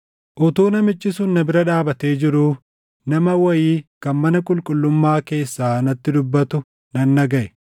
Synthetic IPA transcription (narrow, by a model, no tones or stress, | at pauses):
ʔʊt̪uːnɐmɪt͡ʃʼːɪsʊnːɐbɪɾɐᶑaːbɐt̪e̞ːd͡ʒɪɾuː | nɐmɐwɐjiːkɐnmɐnɐkʼʊlkʼʊlːʊmːaːke̞ːsːaːnɐt̪ːɪd̪ʊbːɐt̪ʊ | nɐnːɐɡɐʔɛ